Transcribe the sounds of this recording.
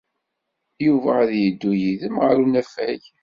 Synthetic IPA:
juvæðjəd̪ːujiðəmʁəɾunæfæj

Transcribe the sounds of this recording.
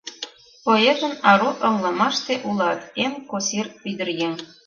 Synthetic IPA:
pojeʒə̆nɑɾuʔɤ̆mlˠɤmɑʃt̪eʔulɑt̪enkosiryd̪ə̆rjeŋ

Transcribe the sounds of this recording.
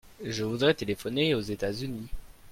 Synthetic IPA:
ʒəvud̪ʁɛt̪elefɔneozet̪azyni

